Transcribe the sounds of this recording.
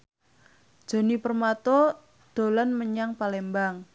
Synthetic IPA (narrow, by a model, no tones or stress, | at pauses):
d̥ʒ̥o̤nipərmat̪ɔ | d̪̥o̤lanməɲaŋpalembaŋ